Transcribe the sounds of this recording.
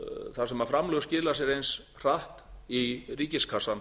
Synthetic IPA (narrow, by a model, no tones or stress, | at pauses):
θaɾsɛmafɾamlœːɣscɪːlasɛɾejns | r̥aht̪iriːcɪskʰasan